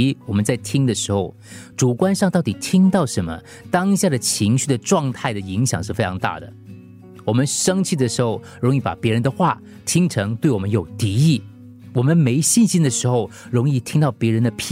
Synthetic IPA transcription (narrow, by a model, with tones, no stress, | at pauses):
wɔ˨˩mə˦nt͡sa˥˩ɪt̪ʰi˥ŋd̪ə˨ʂɻ̩˧˥xo˥˧ʊʈ͡ʂu˨˩kwa˥nʂɑ˥˧ŋt̪ɑ˥˩ʊt̪i˨˩t̪ʰi˥ŋt̪ɑ˥˩ʊʂə˧˥nmə̰˧ | t̪ɑ˥ŋɕja˥˩d̪ə˩t͡ɕʰi˧˥ŋɕy˥˩ə˩ʈ͡ʂwɑ˥˧ŋt̪ʰa˥˩ɪd̪ə˩i˧˥ŋɕjɑ̰˨˩ŋʂɻ̩˥˩fe˥ɪʈ͡ʂʰɑ˧˥ŋt̪a̰˥˩d̪ə̰˩ | wɔ˨˩mə˦nʂɤ˥ŋt͡ɕʰi˥˩d̪ə˩ʂɻ̩˧˥xo˥˧˩ʊɻʊ˧˥ŋi˥˩pa̰˨˩pjɛ˧˥ɻə˧˥nd̪ə˧xwa̰˥˩ | t̪ʰi˥ŋʈ͡ʂʰɤ˧˥ŋt̪we˥˩ɪwɔ˨˩mə˦njo˨˩ʊt̪i˧˥i˥˩ | wɔ˨˩mə˦nme˧˥ɪɕi˥˩nɕi˥nd̪ə˨ʂɻ̩˧˥xo˥˧ʊɻʊ˧˥ŋi˥˧t̪ʰi˥ŋt̪ɑ˥˩ʊpjɛ˧˥ɻə˧˥nd̪ə˧pʰ